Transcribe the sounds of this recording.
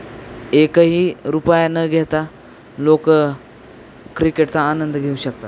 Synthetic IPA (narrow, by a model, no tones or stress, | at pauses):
ekəɦiːɾupajanəɡʱet̪a | lok | kɾikeʈt͡saːnənd̪ɡʱeuɕək̚t̪at̪